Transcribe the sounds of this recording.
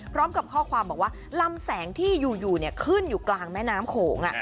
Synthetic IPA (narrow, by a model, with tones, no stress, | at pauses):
pʰɾɔː˦˥mka˨˩p̚kʰɔː˥˩kʰwaː˧mbɔː˨˩waː˥˩la˧msɛː˩˦ŋt̪ʰiː˥˩juː˨˩juː˨˩ni˥˩ɐkʰɯ˥˩njuː˨˩klaː˧ŋmɛː˦˥naː˨˦˥mkʰoː˩˦ŋʔa̰˨˩ʔ